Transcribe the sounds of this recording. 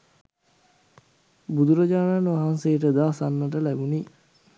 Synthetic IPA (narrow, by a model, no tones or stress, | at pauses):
bud̪uɾɐd͡ʒaːnaːnʋaɦansejəʈəd̪aːsanːəʈ̬əlæbuni